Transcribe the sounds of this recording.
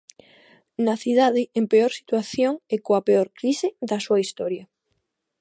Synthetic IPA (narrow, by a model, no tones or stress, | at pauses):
naθiðaðeempeoɾsi̥t̪waθjoŋekoapeoɾkɾiseðasuaist̪oɾja